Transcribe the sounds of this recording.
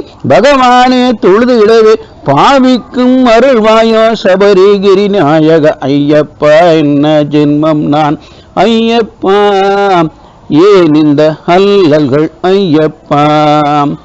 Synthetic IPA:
bʱɐɣɐʋaːneːt̪ɔɻðɯʋɪɽɐʋeː | paːʋɪkːɯmːɐɾɯɭʋaːjoːsɐbɐɾiɡɪɾinaːjɐɣɐʔɐjjːɐpːaːɛnːɐd͡ʒɛnmɐmnaːn | ɐjjɐpːaː | eːnɪnd̪ɐhɐlːɐlɣɐɭɐjɐpːaː

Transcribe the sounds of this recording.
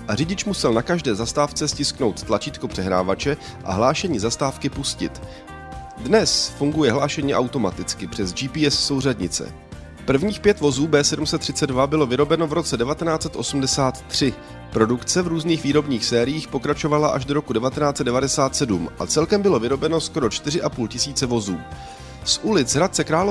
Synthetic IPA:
ʔarɪɟɪt͡ʃmusɛlnakaʒdɛːzast̪aːft͡sɛscɪskno̞wt̪t̪lat͡ʃiːt̪kopr̝̥ɛɦɾa̰ːvat͡ʃɛ | ʔa̰ɦlaːʃɛɲiːzast̪aːfkɪpuscɪ̰t̪ | dnɛsfuŋɡujɛɦlaːʃɛɲiːʔawt̪o̞mat̪ɪt͡skɪpr̥ɛzd͡ʒiːpiːɛsso̞wr̝ɛdɲɪ̰t͡sɛ̰ | pr̩vɲiːxpjɛt̪vo̞zuːbɛːsɛdumsɛt̪ːr̝̥ɪtt͡sɛddvabɪlo̞vɪɾo̞bɛno̞vɾo̞t͡sɛdɛvat̪ɛnaːt͡sɛt̪ʔo̞sumdɛsaːt̪ːr̝̥ɪ | pɾo̞dukt͡sɛvɾuːzniːxviːɾo̞bɲiːxsɛːɾɪjiːxpo̞kɾat͡ʃo̞valaʔaʒdo̞ɾo̞kudɛvat̪ɛnaːt͡sɛt̪̚dɛvadɛsaːt̪sɛdumʔa̰t͡sɛlkɛmbɪlo̞vɪɾo̞bɛno̞sko̞ɾo̞t͡ʃt̪ɪrɪʔapuːlcɪsiːt͡sɛvo̞zuː | sʔulɪt͡sɦɾat̪̚t͡sɛkɾaːlo

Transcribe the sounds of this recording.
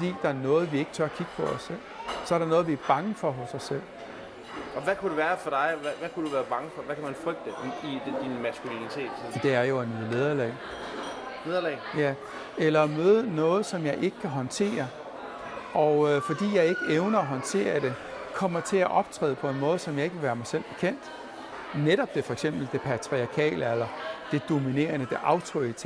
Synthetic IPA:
fɒd̥ḭːd̥ɑ̈æɐnɔ̽ːð̩ˠʋie̝ɡ̥ət͡sʰɶɐɐkʰiɡ̥əpʰɒ̽ɒsel̰sɒ̽æɐɾɑ̈nɔ̽ːð̞̩ˠʋiæɐb̥ɑ̈ŋəfɒ̽ɦosɒ̽sel̰ | ɒ̽ʋækʰud̥eʋæːɐfɒd̥ɑ̈ɪʋæʋækud̥uʋæːɐb̥ɑ̈ŋəfɒ̽ʋækʰæmænfʁœɡ̥̚d̥əi̥d̥inmæsɡ̥ulinit͡sʰe̝̰ːd̥ed̥e̝æɐjo̝enið̩ˠle̝ð̞ˠɐlɛ̰ɪ | le̝ðˠɐlɛːjæ | elɐmøːðˠənɔ̽ːð̞̩ˠsɒ̽mjɑ̈ɪʔe̝ɡ̥ə̥kʰæɦɒ̽nt͡sʰe̝̰ːɐ | ɒfɒ̽d̥ḭːjɑ̈ɪe̝ɡ̥əeʊnɐːɦɒ̽nt͡sʰe̝̰ːɐd̥e̝ | kʰɒ̽m̰ɐt͡sʰe̝læʔɒ̽b̥t͡sʰʁɛ̰ːð̩ˠpʰɒ̽e̝nmɔ̽ːð̩ˠsɒ̽mjɑ̈ɪe̝ɡ̥ʋe̝ʋæːɐmɑ̈ɪsel̰b̥e̝kʰen̰d̥ | neɾɒ̽b̥d̥e̝fɒ̽eɡ̥sem̰b̥l̩d̥e̝pʰæt͡sʰʁiɑ̈kʰɛ̰ːləelɐd̥e̝d̥o̝mine̝̰ːɐnəd̥e̝ʔɑ̈ʊt͡sʰoit͡sʰ

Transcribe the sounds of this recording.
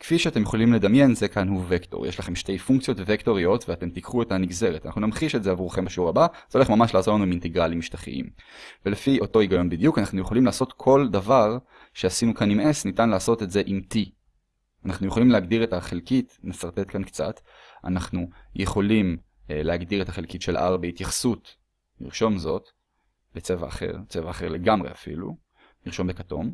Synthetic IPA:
kfiʃeate̞mjeχolimle̞d̪amje̞nzekʰanhuvekto̰ʁjeʃlaχe̞mʃte̞jfuŋkt͡sijo̞tvvekto̞ʁio̞tveate̞mtikχuetaniɡze̞ʁetana̰χnunamχiʃetzeavuʁχe̞mbaʃuʁabaz̥eole̞χmamaʃlaːzotlanuiminteɡʁalimiʃtaχḭʔḭmvelefiʔo̞to̞iɡajo̞nbidjukanaχnujeχolimlaːso̞tkʰo̞ldavaʁ | ʃe̞asinukanimesnitanlaːso̞te̞tze̞ʔimti | anaχnujeχolimleaɡdiʁetaχelkitnesaʁt̪e̞tkankt͡sa̰t | a̰naχnujʔeχo̞lim | leaɡdiʁetaχelkitʃe̞lʔa̰ʁbeitjaχsut | nḭʁʃo̞mzo̞t | bet͡se̞va̰ːχe̞̰ʁt͡sevaːχe̞ʁle̞ɡamʁe̞̰a̰fḭlṵ | niʁʃo̞mbekato̞̰m

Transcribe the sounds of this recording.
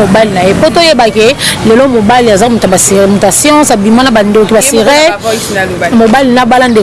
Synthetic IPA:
obalinajepotojebakelelomobaliazamutabasemotasjɑ̃sabimãnabandetbasiʁe | mobalinabalande

